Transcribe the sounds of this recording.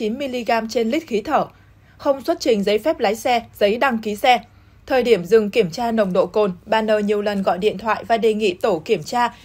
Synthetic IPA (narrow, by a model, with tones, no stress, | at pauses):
i˨˦nmi˧li˧ɣaː˧mt͡ɕe˧nli˦˥k̟̚xi˨˦t̪ʰəː˧˩ | xə˧wŋ͡mswə˦˥t̚t͡ɕï˨˩ŋ̟zə˨˦jfɛ˦˥p̚laː˨˦jsɛ˧zə˨˦jɗa˧ŋki˨˦sɛ˧ | t̪ʰəː˨˩jɗi˧˩əmzɨ˨˩ŋki˧˩əmt͡ɕaː˧nə˨˩wŋ͡mɗo̰˧˨ko˨˩nɓaː˨˩nːəː˨˩ɲi˨˩əwlə˨˩nɣɔ̰˧˨jɗḭ˧˨ənt̪ʰwa̰ː˧˨jvaː˨˩ɗe˨˩ŋḭ˧˨t̪o˧˩ki˧˩əmt͡ɕaː˧